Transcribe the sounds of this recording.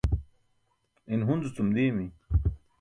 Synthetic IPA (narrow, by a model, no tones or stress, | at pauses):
inɦunzut͡sumd̪imi